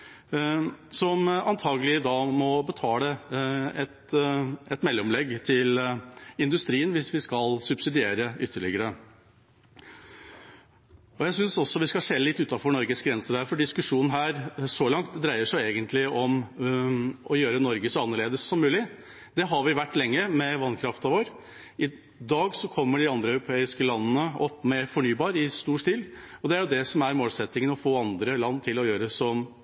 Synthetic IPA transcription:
sɔmɑnt̪ʰɑːɡəlɪd̪ɑːmɔbət̪ʰɑːɛɛt̪ɛt̪mɛlːɔmlɛɡːt̪ʰɪlɪnd̪ʉst̪ɾiːənʋɪsʋɪskɑlsʉbsɪd̪ɪeːɾəʏt̪ːəɭɪ̰ɡəɾə | ɔjæɪsʏnsɔsːɔʋɪskɑseːllɪt̪ːʉːt̪ɑfɔɳɔɾɡəsɡɾɛnsəɾæɾfɔɖɪskʉʂuːnn̩ɦæːɾsɔlɑŋt̪d̪ɾæɪəʂæeːɡənt̪ʰlɪɔm | ʔɔjøːɾənɔɾɡəsɔɑnːəɭeːd̪əsːɔmːʉːlɪ | d̪ɛɦɑɾʋɪʋæʈːlɛŋːəmɛʋɑnkʰɾɑft̪ɑʋoːɾ | ɪ | d̪ɑːɡsɔkʰɔmːəɖɪɑnd̪ɾəœʉɾʊpʰeːɪskəlɑnːənəʔɔpːmɛfɔɳyːbɑːɾɪst̪uːʂtiːl | ɔd̪ɛæɾjʊd̪ɛsɔmæɾmoːlsɛt̪nɪŋənɔfoːɑnd̪ɾəlɑnːt̪ʰɪlɔjøːɾəsɔm

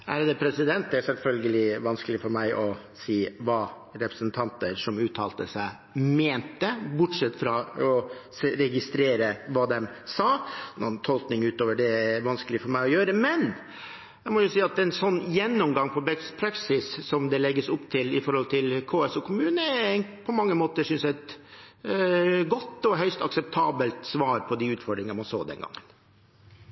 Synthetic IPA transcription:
æ̰ɾd̪ɛpʰɾɛsɪd̪ɛnt̪̚d̪ɛæɾsɛlfœlɡəlɪʋɑnskəlɪfɔɾmæɪʔɔ | siːʋɑː | ɾɛpɾəsənt̪ʰɑnt̪əɾʂɔmʉːt̪ʰɑːlt̪əsæɪ | meːnt̪əbʊʈʂɛt̪ːfɾɑɔsɾɛɡɪst̪ɾeːɾəʋɑːd̪ɛmsɑːnɔnt̪ʰɔlknɪŋʉːt̪oːʋəɖɛæʋɑnskəlɪfɔɾmæɪɔjøːɾəmɛn | æɪmɔjʊsiːɑt̪̚ɛɛnsɔnːjɛnːɔmɡɑŋːpʰɔbɛspʰɾɑksɪssɔmd̪ɛlɛɡːəsʊpt̪ʰɪlɪfɔɾhɔlt̪ʰɪlkʰoːɛsukʰʊmʉːnəpʰɔmɑŋːəmoːt̪əsʏnsjæɛt̪ | ɡɔt̪ːɔɦœʏst̪ɑ̰ksɛp̚t̪ʰɑːbəlt̪sʋɑːɾpʰɔd̪iʉːt̪fɔɖɾɪŋəmɑnso̰ːd̪ɛ̰nɡɑ̰ŋːən

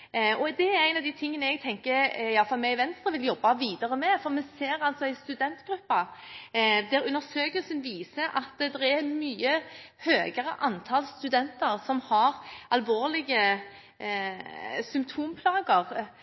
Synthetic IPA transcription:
ɔd̪ɛæɾæɪnɑʋd̪æt̪ʰɪŋːənəɛɡt̪ʰɛŋkəɾɪjɑfɑlmɛɪʋɛnst̪ɾəʋɪljɔbːɑʋiːd̪əɾəmɛfɔʁmɛseːɾɑlsɔɪst̪ʉd̪ɛnt̪ɡ̥ɾʉpːɑ | d̪ɛɾʉnːəɾsøːkəlsənʋiːsəʔɑt̪d̪ɛʁæmyːəhøːɡəɾəʔɑnt̪ʰɑlst̪ʉd̪ɛnt̪əɾsɔmhɑɾɑlʋoːʁlɪɡə | sʏmpt̪ʰuːmpʰlɑːɡəʁ

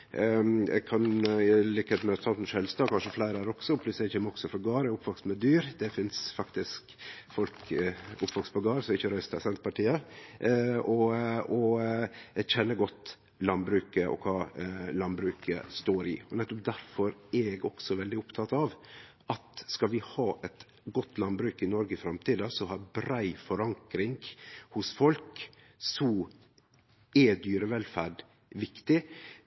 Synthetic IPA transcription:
ɛ̰kʰɑnɪlɪkəheːt̪mɛt̪sʰɑlt̪nʊʃhɛlst̪ɑːkʰɑnʂəflæɪɾəæɾɔksɔpʰlʉsɛçɛmːəɔksɔfɾɔɡɑːɾəʊpːʋɑksmɛd̪yːɾd̪ɛfɪnsfɑkt̪ɪskfɔlkʊpːʋɑkspɑɡɑːɾsɔɪçːəɾœʏst̪ɑsɛnt̪pɑʈʰiːə | ɔɔ | çɛnːəɡɔt̪ː | lɑnbɾʉːkəʔɔ̰kʰɑːlɑnbɾʉːkə̰st̪oːɾɪ̰ɔnɛt̪ːɔp̚d̪æɾfɔɾɛɡɔksɔʋɛld̪ɪʊpt̪ʰɑt̪ɑʋ | ʔɑt̪skɑlʋɪhɑːʔɛt̪ | ɡɔt̪ːlɑnbɾʉːkɪnɔɾɡəfɾɑmt̪ʰiːd̪ɑsɔhɑɾbɾæɪfɔɾɑŋkɾɪŋɡhʊsfɔlk | sɔ | ɛd̪yːɾəʋɛlfæɖ | ʋɪkt̪ɪ

